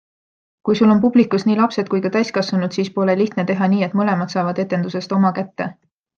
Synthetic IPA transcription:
kujsulo̞npub̥likˑusniːlɑpse̞t̪̚kujkɑt̪æjskɑsvɑnud̪̥siːspo̞leliht̪ne̞t̪e̞ɦɑniːet̪ˑmɤle̞mɑd̪̥sɑːvɑd̪e̞t̪ːˑe̞nd̪use̞st̪o̞mɑkæt̪ːe̞

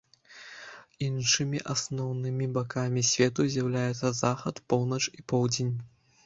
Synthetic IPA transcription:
inʂɨmʲiʔasnɔwnɨmʲibakamʲisʲvʲɛt̪uzʲjawlʲajɛt̪sːɐzaxɐt̪pɔwnɐt͡ʂipɔwd͡zʲenʲ

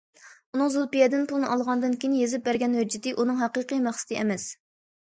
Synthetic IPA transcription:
unɨŋzulˠpijɛd̪ɨnpʰulˠɨnɨɑlˠʁɑnd̪ɨnkʲejnjezɪp̚bæɾɡʲɛnhød͡ʒɪt̪ɨʔunɨŋɦæqiqijmæχsɪ̥t̪ʰɨɛmɛs

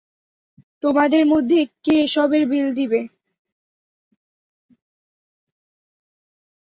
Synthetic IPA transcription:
t̪omad̪eɾmod̪ʱːekeʃɔbeɾbild̪ibe

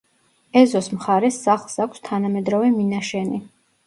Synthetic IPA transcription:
ɛzɔsmχaɾɛsːaχlˠsakʷʰst̪ʰanamɛd̪ɾɔvɛminaʃɛni

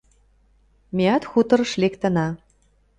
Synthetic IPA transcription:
mʲeɑt̪xut̪ɤ̆ɾ̆ʃlʲekt̪ə̆nɑ

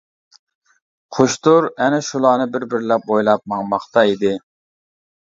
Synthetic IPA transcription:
qʰoʃt̪ʊɾɛnɛʃulˠɑːnɨbɪɾbɪɾlɛp̚ojlˠɑp̚mɑŋmɑχt̪ɑid̪ɪ

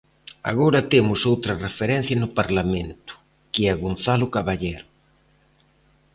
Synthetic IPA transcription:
a̰ɣoɾɐt̪emʊsowt̪ɾɐrefeɾɛn̟θjɐnʊpaɾlamẽnt̪ʊ̥ | kɪɛaɣon̟θalʊkaβaʎeɾ

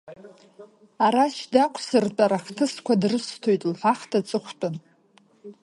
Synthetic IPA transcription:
aɾaʃdakʷʰsɨrtʼaɾaχtʰɨskʷʰadrɨstʰojtʼlħʷaχtʰat͡sʼɨχʷtʼɨn

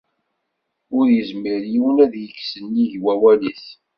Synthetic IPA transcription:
ʊɾjəzmiɾjiwnæðjəksənːiʝwæwæliθ

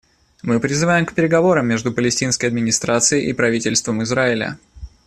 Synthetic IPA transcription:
mɨpɾʲɪzɨvajɪmkpʲɪɾʲɪɡɐvo̞ɾəmʲːeʐd̪ʊpəlʲɪsʲtʲinskəjɐd̪mʲɪnʲɪst̪ɾat̪sɨjɪʔipɾɐvʲitʲɪlʲst̪vəmɨzɾaɪlʲə̰

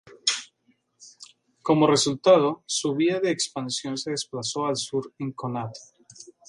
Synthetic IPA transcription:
ko̞mo̞re̞sult̪að̞o̞suβiðaðe̞ːkspansjo̞nseðe̞splaso̞alsuɾeŋkonat̪o̥

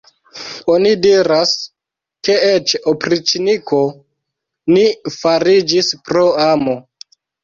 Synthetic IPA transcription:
o̞nidiɾas | ke̞et͡ʃopɾit͡ʃiniko̞ | nifaɾid͡ʒispɾo̞amo̞

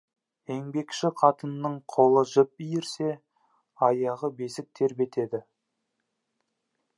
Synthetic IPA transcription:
e̞ŋbe̞kʃɪqʰɑt̪ənːəɴqʰo̞lˠəʒɪp̚ijɪɾse̞ | ɑjɑʁəbe̞sɪk̚t̪ʰe̞ɾbe̞t̪ʰe̞d̪ɪ

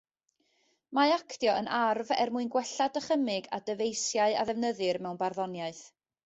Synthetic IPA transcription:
maakʰdjɔənʔarvɛ̰rmuɨnɡwɛɬadəχəmɨɡadəvejsjaɨa̰ðɛvnəðɨrmɛwnbarðɔnjaɨθ

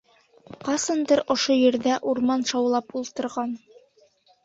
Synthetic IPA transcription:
qɑsɤ̆nd̪ɤɾŏʃojɘ̆ɾðæʔuɾmɑnʃɑwlˠɑpulˠt̪ɤ̆ɾʁɑn

